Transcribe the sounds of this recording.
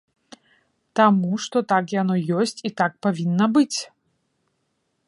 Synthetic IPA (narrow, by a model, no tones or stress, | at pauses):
t̪amuʂt̪ɔt̪akjanɔjɔsʲt͡sʲit̪ak̚pavʲinːɐbɨt͡sʲ